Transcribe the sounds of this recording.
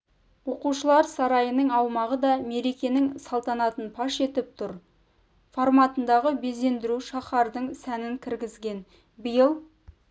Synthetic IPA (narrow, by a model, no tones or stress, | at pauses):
wo̞quʃəlˠɑɾsɑɾɑjənəɴɑwmɑʁəd̪ɑme̞ɾe̞kʲe̞nɪŋsɑlˠt̪ɑnɑt̪ənpʰɑʃe̞t̪ɪp̚t̪ʰʊɾ | foɾmɑt̪ənd̪ɑʁəbe̞ze̞nd̪ɪɾuʃɑχɑɾd̪əɴsænɪŋkʲʰɪɾɡʲɪzɡʲe̞n | bəjəlˠ